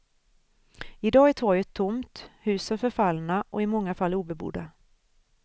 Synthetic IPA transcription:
ɪd̪ɑːæʈ̪ʰvɔjət̪ʰːʊmt̪hʉ̟ːsənfœɾfalnaʔɔɪmɔŋːafalːuːbɛbṵːd̪a

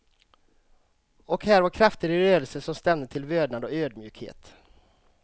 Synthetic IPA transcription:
ɔkhæːɾvaɾkʰɾaft̪əɾɪɾøːd̪əlsəʂɔmst̪ɛmd̪ət̪ʰɪlvøːd̪nad̪ɔøːd̪mjʉ̟ːkhḛːt̪

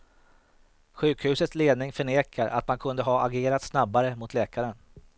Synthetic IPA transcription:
ɧʉ̟ːkhʉ̟ːsət̪sleːd̪nɪŋfœɳeːkʰaɾʔa̰t̪mankʰɵnd̪əɦaːaɡeːɾat̪snabːaɾəmʊt̪ʰlɛːkaɾən

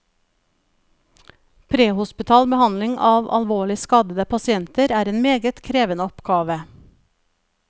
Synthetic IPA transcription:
pʰɾeːhʊspɪt̪ʰɑːlbəhɑnlɪŋʔɑːʋʔɑ̰lʋoːɭɪskɑːd̪əd̪əpʰɑsɪɛnt̪əɾæːɾeːnmeːɡət̪kʰɾeːʋənəɔpɡɑːʋə

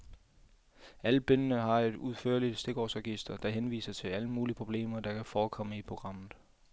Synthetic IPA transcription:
ælb̥ønənəɦɑ̈e̝d̥uðˠfø̰ɐ̰lid̥sd̥e̝ɡ̥ɒ̰ːsʁɒɡ̥isd̥ɐd̥ɑ̈ɦenʋḭːsɐt͡sʰe̝læləmuːliəpʰʁo̝b̥le̝̰ːmɐd̥ɑ̈kʰæfɒːkʰɒ̽məipʰʁo̝ɡ̥ʁɑ̈m̰ð̩ˠ

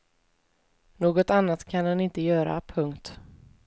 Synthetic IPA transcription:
noːɡɔt̪anːat̪kʰanɛnɪnt̪əjœːɾa̰pʰɵŋkt̪

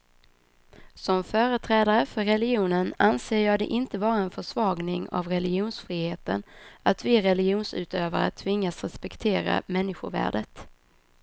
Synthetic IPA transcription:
sɔmfœːɾət̪ʰɾɛːd̪aɾəfœɾːɛlɪjuːnənanseːjɑːd̪ɛ̰ʔɪnt̪əvɑːɾaɛnfœʂvɑːɡnɪŋa̰vɾɛlɪɡɪuːnsfɾiːheːt̪ə̰nat̪vɪɾɛlɪɡɪuːnsʉ̟ːt̪øːvaɾa̰t̪ʰːvɪŋːasɾɛspɛkt̪ʰeːɾa̰mɛnːɪɧʊ̰væ̰ːɖət̪

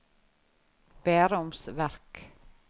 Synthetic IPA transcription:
b̥æɾʊmsvæɾk

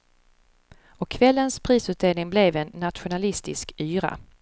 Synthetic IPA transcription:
ɔkʰːvɛlːənspʰɾiːsʉ̟ːt̪̚d̪eːlnɪŋblɛvɛnːat̪ɧʊnalɪst̪ɪskyːɾa̰

